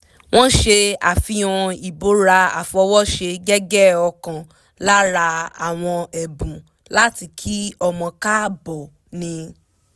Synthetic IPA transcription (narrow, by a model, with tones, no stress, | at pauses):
w̃ɔ̃˦ʃe˧a˨fi˧˦ɔ̃˧i˨bo˨˦ɾa˧a̰˨fɔ˧wɔ˦ʃe˧ɡɛ˦ɡɛ˦˨ɔ˧kã˨ | la˦ɾa˧a̰˨w̃ɔ̃˧ɛ˨bũ˨ | la˦ti˧kʰi˦ɔ˧mɔ̃˧ka˦bɔ˨ | nĩ˧